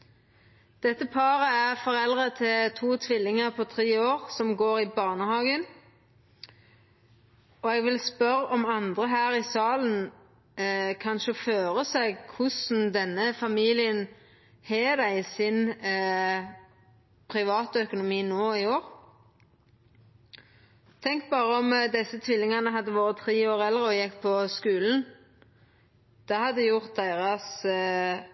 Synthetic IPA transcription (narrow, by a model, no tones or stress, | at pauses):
d̪̥ɛt̪ːəpʰɑːʁəæʁfɔʁɛld̪ʁət̪ʰɪt̪ʰuːt̪ʰʋɪlːɪŋəʁpʰɔt̪ʰʁiːoːʁsɔmɡoːɾɪbɑʁnəhɑːɡən | ɔɛɡʋɪlspœɾɔmɑnd̪ʁəɦæːɾɪsɑːlən | kʰɑnʃəføːʁəseɡkʰʊsn̩d̪ɛnːəfɑmiːlɪən | heːd̪æɪsɪn | pʰʁɪʋɑːt̪əœkʊnʊmiːnoːɪoːɾ | t̪ʰɛŋk̚bɑːɾəɔmd̪ɛsːət̪ʰʋɪlːɪŋɑʁnəɦɑd̪ːəʋoːɾət̪ʰɾiːoːʁɛləʁɔjɛkːpʰɔskʉːln̩ | d̪̥ɛhɑd̪ːɛjʊʁt̪̚d̪æɪʁɑs